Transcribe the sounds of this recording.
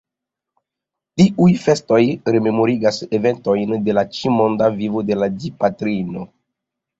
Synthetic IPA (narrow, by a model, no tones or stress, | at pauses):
tiʔujfe̞sto̞jɾe̞me̞mo̞ɾiɡaseve̞nto̞jnde̞lat͡ʃimo̞ndavivo̞de̞ladipatɾino̞